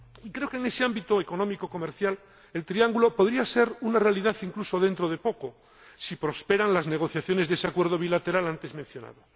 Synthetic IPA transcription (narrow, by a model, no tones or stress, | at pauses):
ikɾe̞okeŋese̞ambit̪oeko̞nomikoko̞meɾθjal | e̞lt̪ɾiaŋɡulo̞poðɾiase̞ɾunarealiðaθiŋkluso̞ðe̞nt̪ɾoð̞e̞po̞ko̞ | sipɾospe̞ɾaŋlazneɣ̞o̞θjaθjo̞nezðeseakwe̞ɾð̞o̞β̞ilat̪e̞ɾalant̪e̞zmẽn̟θjo̞na̰ðo